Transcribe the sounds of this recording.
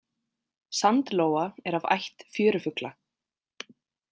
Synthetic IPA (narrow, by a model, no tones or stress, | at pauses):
sant̪loːwaɛɾava̰jht̪fjʏːɾʏfʏkla